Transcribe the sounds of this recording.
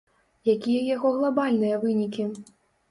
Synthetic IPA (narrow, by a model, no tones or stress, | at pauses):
jakʲijɐjaɣɔɣlˠabalʲnɨjɐvɨnʲikʲi